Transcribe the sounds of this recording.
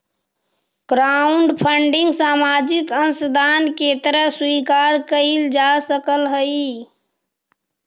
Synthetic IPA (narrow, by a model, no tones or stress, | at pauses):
ɡ̥ɾauɳɖpʰəɳɖiŋɡsamad͡ʒikənsd̪ʱanket̪əɾəɦsʋikaɾkəɪld͡ʒasəkəlɦəj